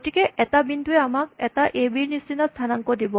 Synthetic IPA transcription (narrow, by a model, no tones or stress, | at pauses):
tikɛʔɛtabinduɛamak̚ɛtaʔebiɹnisinast̪ʰanaŋkɔdibɔ